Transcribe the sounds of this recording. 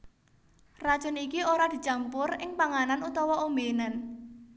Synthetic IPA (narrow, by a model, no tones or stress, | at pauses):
rḁt͡ʃɔnikioɾad̪̥i̤t͡ʃampʊrɪŋpaŋananut̪ɔwɔʔombenan